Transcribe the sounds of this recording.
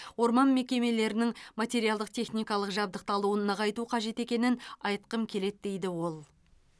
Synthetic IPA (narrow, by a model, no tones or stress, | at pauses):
wo̞ɾmɑnme̞kʲe̞me̞le̞ɾɪnɪŋmat̪ʲe̞ɾijɑlˠd̪əqt̪ʰe̞χnijkɑlˠəqʒɑb̚d̪əq̚t̪ɑlˠuənːəʁɑjt̪uqʰɑʒe̞t̪e̞kʲe̞nɪnɑjt̪qəmkʲʰe̞le̞t̪d̪e̞jd̪ɪwo̞lˠ